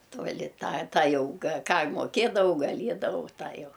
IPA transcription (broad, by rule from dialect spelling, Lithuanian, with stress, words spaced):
tuɔˈlʲɪ ˈtɑː ˈtɑː jɛʊ ɡɐ ˈkɑː moːˈkʲeːdɐʋɐʊ ɡɐˈlʲiɛdɐʋɐʊ ˈtɑː jɛʊ